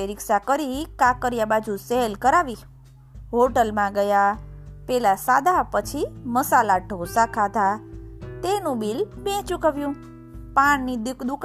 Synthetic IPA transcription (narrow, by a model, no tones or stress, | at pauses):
eɾɪksakəɾikãkəɾjabad͡ʒuseɦlkəɾaʋi | ɦoʈəlmãɡəjapɛlasad̪ʱapət͡ʃʰiməsalaɖʱosakʰat̪at̪enũbilbɛ̃t͡ʃukəʋjũ | paɳnid̪ukd̪uk